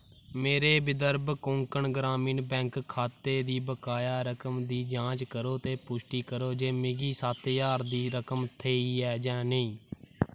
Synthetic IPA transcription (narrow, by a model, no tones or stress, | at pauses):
meːɾeːbɪd̪əɾbkõːŋkəɳɡɾaːmĩːnbɛ̃ːŋkkʰːaːt̪eːd̪iːbəkaːjaːɾəkəmd̪iːd͡ʒãːt͡ʃkəɾoːt̪eːpʊʃʈiːkəɾoːd͡ʒeːmɪɡiːsaːt̪jaːɾd̪iːɾəkəmt̪ʰeːiːɛːd͡ʒɛ̃ːneĩː